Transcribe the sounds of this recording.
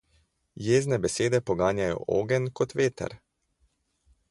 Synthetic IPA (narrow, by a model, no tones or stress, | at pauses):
jeːznɛbɛseːd̪ɛpɔɡaːnjajɔ̰ʔo̰ːɡɛnkɔt̪ʋeːt̪ɛ̰ɾ